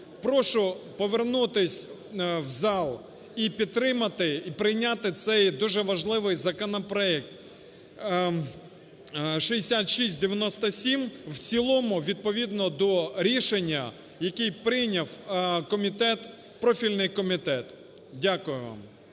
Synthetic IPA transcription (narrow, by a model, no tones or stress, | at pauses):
pɾɔʃʊpɔʋernut̪ɪsʲ | wzɑlˠ | ipʲid̪̚t̪ːɾɪmɐt̪ɪipɾɪjnʲat̪ɪt̪sɛjd̪uʒɛʋɐʒlˠɪʋɪjzɐkɔnɔpɾɔɛk̚t̪ | ʃiesʲat̪ʃisʲtʲd̪eʋʲjɐnɔst̪ɐsʲimwt͡sʲilˠɔmʊʋʲid̪̚pɔʋʲid̪nɔd̪ɔɾʲiʃenʲːɐ | jɐkɪjpɾɪjnʲɐwkɔmʲit̪ɛt̪ | pɾɔfʲilʲnɪjkɔmʲit̪ɛt̪ | dʲakʊjʊʋɑ̰m